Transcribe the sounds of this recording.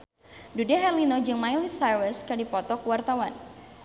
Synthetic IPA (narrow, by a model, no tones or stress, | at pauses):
dudɛɦɛrlinɔd͡ʒɨŋmajlisawəskadipɔt̪ɔkuwart̪awan